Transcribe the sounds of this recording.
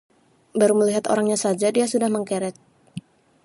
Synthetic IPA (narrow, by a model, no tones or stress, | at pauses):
baɾuməliɦat̪o̰ɾaŋɲasad͡ʒadiasudahməŋkɛɾɛt̪̚